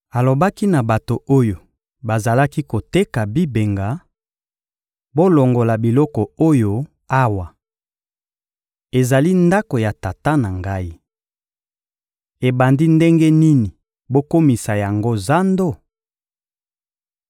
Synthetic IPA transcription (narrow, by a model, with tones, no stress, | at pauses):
a˨lo˨ba˦ki˦na˨ba˨to˨o˦jo˨ | ba˨za˨la˦ki˦ko˨te˦ka˨bi˦be˨ŋɡa˨ | bo˦lo˨ŋɡo˨la˨bi˨lɔ˦kɔ˨o˦jo˦ | a˦wa˨ | e˨za˨li˦nda˦ko˨ja˨ta˨ta˦na˨ŋɡa˦i˦ | e˨ba˨ndi˦nde˦ŋɡe˦ni˦ni˨ | bo˦ko˦mi˨sa˨ja˨ŋɡo˦za˦ndo˦˨